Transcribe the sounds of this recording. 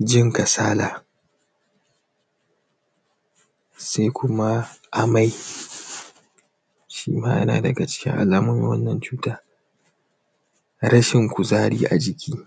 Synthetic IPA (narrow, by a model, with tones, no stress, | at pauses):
d͡ʒɪ˦ŋka˨saː˦laː˨ | sa˦jkʷʊ˦ma˦ʔa˨ma˦j | ʃiː˦ma̰ː˦jɐ̰˦na̰ː˨dɐ˨ɡa˨t͡ʃɪ̥˦kʲɪ̰˦ŋʔa̰˨laː˨mʊ˦mḭ˦wɐ˦nːɐ˨nt͡ʃuː˦taː˦ | ɾɐ˦ʃɪ˨ŋkʷu˨zaː˦ɽiː˦ʔa̰˨d͡ʒɪ˦kʲʰiː˦